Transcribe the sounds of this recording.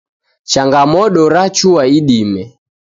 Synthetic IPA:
t͡ʃaŋɡamɔɗɔɾat͡ʃuaiɗimɛ

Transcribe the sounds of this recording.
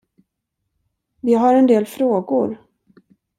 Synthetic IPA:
vɪɦaɾɛnd̪eːlfɾoːɡʊɾ

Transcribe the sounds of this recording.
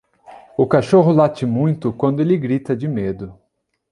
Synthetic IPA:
ʊkaʃoɦʊlat͡ʃɪmũj̃t̪ʊkwɐ̃nd̪ʊelɪɡɾit̪ɐd͡ʒɪmed̪ʊ

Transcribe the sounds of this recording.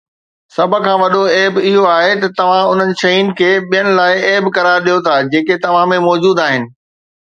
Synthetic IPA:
sɐb̆ʱkʰãːʋɐɗoeːbɪɦoaːɦet̪ɐt̪ɐʋ̤ãʊn̤ənɪ̆ʃɐɦiːnɪ̆kʰeːɓijənɪ̆laːɪeːbkɐɾaːɾɗijot̪ʰad͡ʑeːket̪ɐʋ̤ãmẽmɔːd͡ʑuːd̪aːɦɪnɪ̆

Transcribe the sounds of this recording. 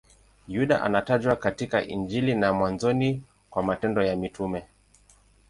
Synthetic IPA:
juɗaʔa̰nataʄwakatikaʔind͡ʒilinamwanzɔni | kwamatɛndɔjamitumɛ

